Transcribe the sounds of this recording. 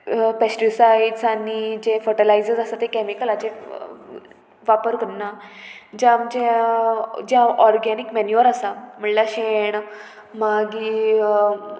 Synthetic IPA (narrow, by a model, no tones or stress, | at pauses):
pesʈisaiɖsanid͡ʑẽfəʈəlajd͡zəd͡zasat̪ekɛmikəlat͡ɕe | ʋapəɾkənad͡ʑãmd͡ʑẽ | d͡ʑãɔɾɡɛnikmɛnjuʋəɾasam̤əɳlaɕeɳ | maɡi